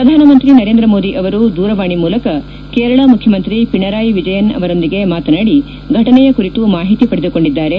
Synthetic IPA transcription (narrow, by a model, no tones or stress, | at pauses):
pɾɐd̪ʱaːnɐmɐnt̪ɾinɐɾend̪ɾɐmo̞ːd̪iʔɐʋɐɾud̪uːɾɐʋaːɳimuːlɐkɐ | keːɾɐɭɐmukʰjɐmɐnt̪ɾipiɳɐɾaːjʋid͡ʒɐjɐnɐ̰ʋɐɾo̞nd̪iɡe̞maːt̪ɐnaːɽi | ɡʱɐʈɐnɛjɐkuɾit̪umaːɦit̪ipɐɽed̪uko̞ɳɖid̪ːaːɾe̞